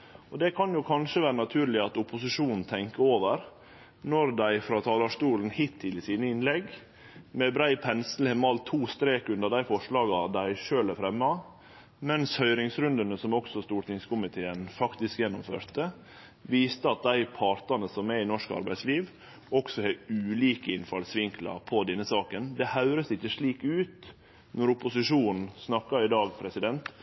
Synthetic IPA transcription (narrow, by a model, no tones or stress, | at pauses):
ɔd̪ɛkʰɑnjʊkʰɑnʂəʋæːɾənɑt̪ʰʉːɾlɪɑt̪ʊpʊsɪʂuːnn̩t̪ʰɛŋkəoːʋəɾ | nɔɾd̪æɪfɾɑːt̪ʰɑːlɑʂt̪uːln̩hɪt̪ʰːɪlɪsiːnəɪnlɛɡ | mɛbɾæɪpʰɛnsl̩hɛmɑlt̪ʰuːst̪ɾeːkʉnd̪əɖæɪfɔʂɭɑːɡɑd̪æɪʂøːlæɾfɾɛmːɑ | mɛnshœʏɾɪŋsɾʉnd̪ənəsɔmɔksɔst̪uːʈ̪ɪŋskʊmɪt̪ʰeːənfɑkt̪ɪskjɛnːʊmfø̰ːɾt̪ə | ʋiːst̪əɑt̪̚d̪æɪpʰɑɾt̪ɑnəsɔmɛɪnɔʂkɑ̰ɾbæ̰ɪsliːʋ | ɔksɔhɛʉːliːkəɪnfɑlsʋɪŋklɑ̰pʰɔd̪ɛnːəsɑːkənd̪ɛhɑʉɾəsɪçːəʂɭiːkʉːt̪ | nɔɾʊpʊsɪʂuːnn̩snɑkːɑɪd̪ɑːɡpʰɾɛsɪd̪ɛnt̪